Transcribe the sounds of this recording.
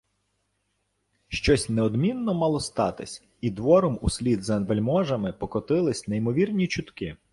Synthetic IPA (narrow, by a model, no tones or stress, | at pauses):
ʃt͡ʃɔsʲnɛɔd̪mʲinːɔmɑlˠɔst̪ɑt̪ɪsʲ | id̪ʋɔɾɔmusʲlʲid̪zɐʋelʲmɔʒɐmɪpɔkɔt̪ɪlˠɪsʲneimɔʋʲirnʲit͡ʃʊt̪kɪ